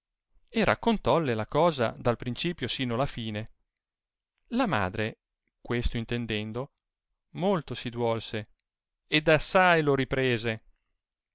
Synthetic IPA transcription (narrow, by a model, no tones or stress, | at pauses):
erʔa̰kːont̪ɔlːelakɔːza̰d̪alpɾint͡ʃiːpjosiːnoalafiːne | lama̰ːd̪ɾe | kwest̪oint̪end̪ɛnd̪o | molt̪osid̪uwɔlse | ed̪asːajloɾipɾeːze